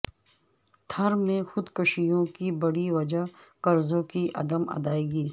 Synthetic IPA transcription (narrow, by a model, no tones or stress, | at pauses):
t̪ʰɐɾmẽxʊd̪kɐʃijõkibɐɽiʋɐd͡ʒaɦkɐɾzõkiʔɐ̰d̪əmɐ̰d̪aːeːɡiː